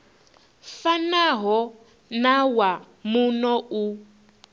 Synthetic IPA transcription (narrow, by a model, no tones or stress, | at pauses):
fanaɦɔ | nawa | munɔu